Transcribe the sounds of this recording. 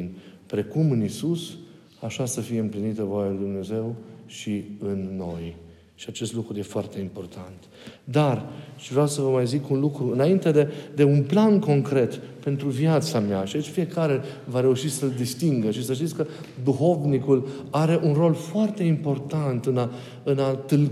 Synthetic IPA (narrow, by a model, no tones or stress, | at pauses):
npɾe̞kumɨnisus | aʃasəfije̞ɨmplinit̪əvoajalujd̪umne̞ze̞wʃiɨnːo̞j | ʃiat͡ʃe̞st̪lukɾuje̞foart̪e̞impo̞rt̪ʰant̪ | d̪arʃivɾeawsəvəmajzikunlukɾuɨnaint̪e̞d̪ed̪e̞unplanko̞ŋkɾe̞t̪pe̞nt̪ɾuvjat̪samjaʃid̪t͡ʃfije̞kaɾe̞vaɾe̞uʃisəld̪ist̪iŋɡəʃisəʃ̬t̪it̪sʲkə | d̪uxo̞vnikul | aɾe̞ʔunro̞lfoart̪e̞impo̞rt̪ant̪ɨna | ɨnat̪ɨl